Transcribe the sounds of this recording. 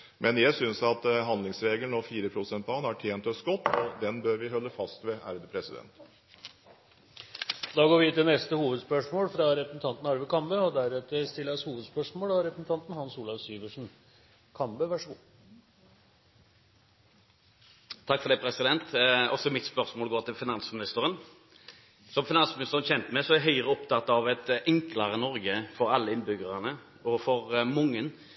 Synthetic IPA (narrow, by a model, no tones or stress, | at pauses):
mʔɛnjæɪsʏnsɑt̪ɦɑnd̪lɪŋsɾeːɡəlnoːfiːɾəpʰɾʊsɛnt̪pɑhɑnæʈʰjeːnt̪œsɡɔt̪ːɔd̪ɛnbøɾʋɪɦɔlːəfɑst̪ʋɛʔæ̰ːɾəd̪əpʰɾɛsɪd̪ɛ̰nt̪ | d̪ɑːɡoːɾʋɪɪt̪ːɪnɛst̪əhuːʋəd̪spœʂmoːlfɾɑɾɛpɾəsn̩t̪ʰɑnt̪nɑɾʋəkɑmbəɔd̪æɾʉt̪əst̪ɪlːəɾɔshuːʋəd̪spœʂmoːlɑɾɛpɾəsn̩t̪ʰɑnt̪n̩hɑnsuːlɑfsyːʋəʂn̩ | kʰɑmbəʋæʂɡ | t̪ʰɑkːfɔʁd̪ɛːpʰɾɛsɪd̪ɛnt̪ɔsɔmɪt̪spœʁsmoːlɡoːʁt̪ʰɪlfɪnɑnsmɪnɪst̪əɾən | sɔmfɪnɑnsmɪnɪst̪əʁənçɛnt̪əmɛsɔæɦœʏʁəɔpt̪ʰɑt̪ːɑʋɛt̪ɛŋkləɾənɔɾɡəfɔɾɑlːəɪnbʏɡəʁənə | ɔfɔɾmʊŋːən